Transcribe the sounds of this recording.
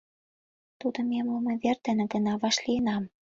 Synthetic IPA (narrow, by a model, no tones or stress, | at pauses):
t̪ud̪ŏmemomɤ̆βert̪ĕnĕɡə̆nɑβɑʃliənɑm